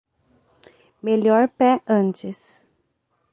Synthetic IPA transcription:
meʎɔɾpɛɐ̃nt͡ʃɪs

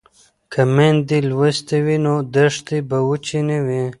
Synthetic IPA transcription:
kʰamend̪ilwəst̪ewinod̪əʂt̪ibawut͡ʃinewi

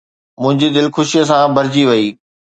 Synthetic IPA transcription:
mʊ̃ɦɪ̃ɲd͡ʑid̪ɪlxʊʃijəs̬ãbʱɐɾɪd͡ʑiʋɐiː

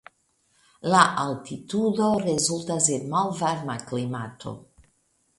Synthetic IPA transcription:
laʔaltit̪udoɾezultasenmalvaɾmaklimat̪ʰo̰

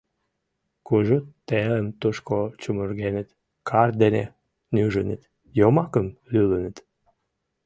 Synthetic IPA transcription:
kuʒut̪t̪ːeləmt̪uʃkot͡ɕumyrɡenət̪ | kʰɑrd̪enḛ | nyʒənə̰t̪ | jomɑkəmlylənət̪

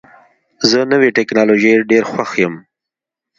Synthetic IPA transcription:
zənəweʈeknɑloʒejɖeɾxwaxjəm

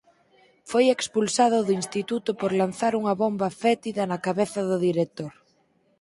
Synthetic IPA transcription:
fojekspulsað̞ʊðʊinst̪it̪ut̪opoɾlan̟θaɾuŋaβombafɛt̪iðanakaβeθaðʊðiɾek̚t̪oɾ

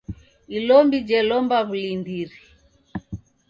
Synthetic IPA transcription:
ilɔmbid͡ʒɛlɔmbaβulindiɾi

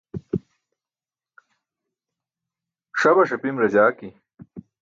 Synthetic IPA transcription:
ʂɐbɐʂɐpimɾɐd͡ʑaːki

